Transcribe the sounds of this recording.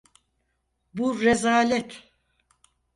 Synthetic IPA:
buɾɛzaːlʲɛt̪ʰ

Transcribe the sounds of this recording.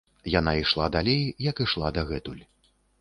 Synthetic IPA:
janaiʂlˠad̪alʲejjɐkiʂlˠad̪ɐɣɛt̪ulʲ

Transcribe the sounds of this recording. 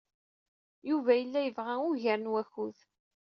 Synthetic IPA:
juvæjəlːæjəvʁæʊʝæɾənwæçuð

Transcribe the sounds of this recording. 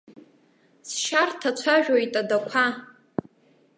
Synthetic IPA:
sʃartʰat͡ʃʷʰaʒᶣojtʼadakʷʰa

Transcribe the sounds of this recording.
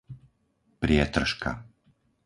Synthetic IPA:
pɾɪɛt̪r̩ʃka̰

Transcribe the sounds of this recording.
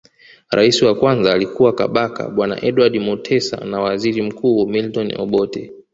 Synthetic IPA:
ɾʔa̰isiwakwanzaːlikuwaka̰ɓaka̰ɓwana̰ʔɛɗwaɗimutʰɛsa̰nawaziɾim̩kuːmiltɔnɔ̰ɓɔtɛ̰

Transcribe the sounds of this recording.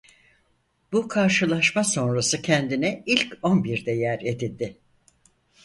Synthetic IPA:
b̥ukʰaɾʃɯlˠaʃmaso̞nɾasɯcʰɛnd̪inɛilʲco̞nbiɾd̪ɛjæɾed̪ilʲd̪ɪ

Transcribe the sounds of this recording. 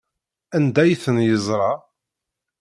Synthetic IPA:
ænd̪æjθənjəzˤɾˤɑ

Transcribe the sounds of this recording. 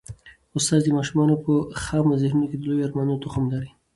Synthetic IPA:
ʊst̪ɑzd̪imɑʃumɑnopəxɑmazɪhnunoked̪əlojoaɾmɑnut̪oxamd̪aɾi

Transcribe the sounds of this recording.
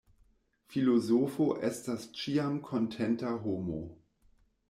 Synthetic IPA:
filozofoʔɛstast͡ʃiamkʰontʰɛntaɦomo̰

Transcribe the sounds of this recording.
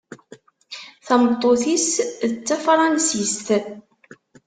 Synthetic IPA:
θæmət̪ˤːoθisðət͡sːæfɾˤɑnsist̪

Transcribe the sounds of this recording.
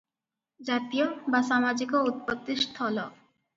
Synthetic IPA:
d͡ʑat̪ijobaʃamad͡ʑikout̪̚pod̪ːist̪ʰɔlo

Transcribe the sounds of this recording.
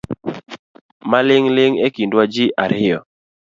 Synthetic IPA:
malɪŋlɪŋekindwad͡ʒɪʔaɾɪjɔ

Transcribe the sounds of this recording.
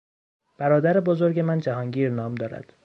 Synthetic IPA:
b̥æɾɒːd̪æɾebozo̞ɾɟe̞mænd͡ʒæɦɒːŋɟiːɾnɒːmd̪ɒːɾæ̰d̪̥

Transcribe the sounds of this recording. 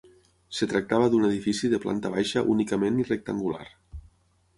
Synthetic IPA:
set̪ɾak̚t̪aβəðuneð̞ifisiðəpla̰nt̪aβajʃaʔṵnikəmenirek̚t̪aŋɡula̰ɾ

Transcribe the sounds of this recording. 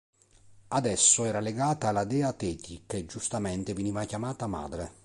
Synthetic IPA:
ad̪ɛsːoɛːɾaleɡaːt̪aːlad̪ɛːat̪ɛːt̪ikːed͡ʒust̪amɛnt̪eveniːvakjamaːt̪ama̰ːd̪ɾe

